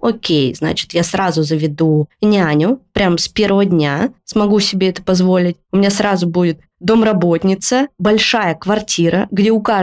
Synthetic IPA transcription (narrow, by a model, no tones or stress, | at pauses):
okʲejzna̰t͡ɕɪ̥t̪jasɾazʊzəvʲɪd̪unʲanʲʊpɾʲamspʲe̞rvəvədʲnʲasmɐɡusʲɪbʲeɛt̪ə̥pɐzvo̞lʲɪtʲʊmʲɪnʲasɾazʊbudʲɪt̪̚ | d̪omrɐbo̞t̪ʲnʲɪt̪səbɐlʲʂajəkvɐrtʲiɾəɡdʲeʊka